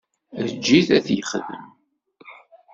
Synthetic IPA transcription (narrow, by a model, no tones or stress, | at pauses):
ðəd͡ʒːiθæθjəχðə̰m